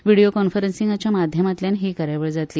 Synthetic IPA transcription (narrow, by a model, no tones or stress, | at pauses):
ʋiɽijokɔnfəɾensĩŋɡat͡ɕjamad̪ʱjəmat̪ljanɦiːkəɾaʋəɭd͡zat̪liː